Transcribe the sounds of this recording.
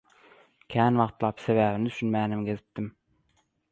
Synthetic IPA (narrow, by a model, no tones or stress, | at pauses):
kʲʰæːnʋɑqt̪lˠɑpseβæːβinɪt̪y̥ʃynmæːnɪmɡʲezɪp̚t̪ɪm